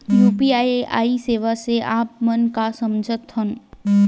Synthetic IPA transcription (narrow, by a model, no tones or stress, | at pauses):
juːpiaːeʔa̰ːiseːʋaseʔaːp̚mənkasɐmd͡ʒʱət̪ɦən